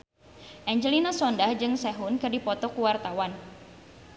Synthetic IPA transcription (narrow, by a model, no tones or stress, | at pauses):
ʔɛɲd͡ʒəlinasɔndahd͡ʒɨŋsɛɦunkɨrdipɔt̪ɔkuwart̪awan